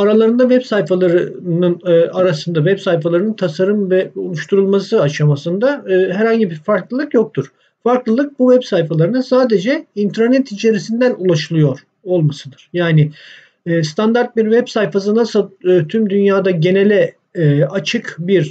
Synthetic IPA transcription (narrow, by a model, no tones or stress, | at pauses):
aɾalˠaɾɯnd̪avɛpsajfalˠaɾɯnɯnːaɾasɯnd̪avɛpsajfalˠaɾɯnɯnt̪ʰasaɾɯmvɛolˠuʃt̪ʰuɾulˠmasɯaʃamasɯnd̪aːɦæɾhaɲɟibiɾfaɾklˠɯlˠɯkjo̞k̚t̪ʰuɾ̥ | faɾklˠɯlˠɯk̚buvɛpsajfalˠaɾɯnɯsaːd̪e̞d͡ʒɛint̪ʰɾaɾnɛt̪ʰit͡ʃʰe̞ɾisind̪ænulˠaʃɯlˠɯjo̞ɾ̥ | o̞lˠmasɯd̪ɯɾ̥jaːnɪː | st̪ʰand̪aɾt̪̚biɾvɛpsajfas̬ɯnasɯlˠɯːt̪ʰymd̪ynjaːd̪aɟe̞ne̞lʲɛ | at͡ʃʰɯkbiɾ